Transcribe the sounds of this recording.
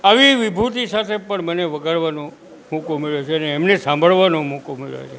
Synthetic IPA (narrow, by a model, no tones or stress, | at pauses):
aʋiʋibʱut̪isat̪ʰepəɳməneʋəɡʱəɭʋanõ | mukomeɭjot͡ʃʰeəneːmnesãmbʱəɭʋanõmukumḛɭjo̰t͡ʃʰe